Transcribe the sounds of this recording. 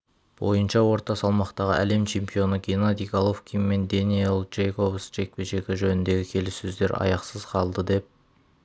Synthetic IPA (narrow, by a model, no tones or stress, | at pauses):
b̥o̞̰jənʃɑwo̞ɾt̪ɑsɑlˠmɑqt̪ɑʁə̰ʔæ̰le̞mt͡ʃʰe̞mpijo̞nəɡʲenad̪iɡalˠofkʲijmmːe̞nd̪enilˠd͡ʒejkovsʒe̞k̚peʃe̞kʲɪʒɵnɪnd̪e̞ɡʲɪkʲʰe̞lɪsːɵzd̪e̞ɾɑ̰jɑqsəzqʰɑlˠd̪əd̪e̞p̚